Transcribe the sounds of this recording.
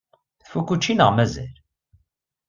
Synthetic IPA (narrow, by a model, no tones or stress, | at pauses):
θfukːut͡ʃːinəʁmæzæ̰l